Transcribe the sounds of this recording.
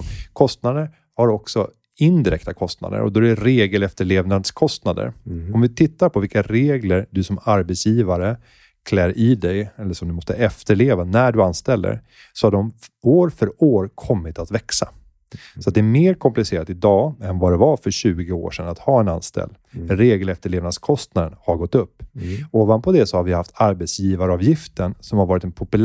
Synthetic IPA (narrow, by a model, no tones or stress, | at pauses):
kʰɔst̪nad̪əɾ | haɾɔksɔ | ɪnd̪ɪɾɛ̰kt̪akʰɔst̪na̰d̪ə̰ɾɔ̰d̪ɔd̪ɛɾeːɡəlɛft̪əɭeːvnad̪skʰɔst̪nad̪ə̰ɾɔmvɪt̪ʰɪt̪ːaɾpʰɔvɪlkaɾeːɡləɾd̪ɵsɔmaɾbɛt̪sjiːvaɾə | kʰlɛːɾɪːd̪ɛjɛlːəʂɔmd̪ɵmɔst̪əʔɛft̪əɭeːvanæɖɵanst̪ɛlːə̰ɾ | sɔhaɖɔmoːɾfœɾoːɾkʰɔmːɪt̪at̪vɛksa̰ | sɔat̪̚d̪ɛæɾmeːɾkʰɔmplɪseːɾat̪ɪd̪ɑːɛnvad̪ɛvaɾfœɾɕʉ̟ːɡɪo̰ːʂɛnat̪hɑːɛna̰nst̪ɛ̰lː | ɛnɾeːɡəlɛft̪əɭeːvnad̪skʰɔst̪nad̪ənhaɾɡɔt̪ːɵpːoːvand̪̚pʰɔd̪ɛsɔhaɾvɪhaft̪aɾbɛt̪sjiːvaɾɑːvjɪft̪ənsɔmhaɾvɑːɾɪt̪ɛnpʰɔpɵl